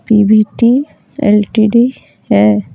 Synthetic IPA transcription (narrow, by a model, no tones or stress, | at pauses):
pibiʈi | ḛlʈiɖi | e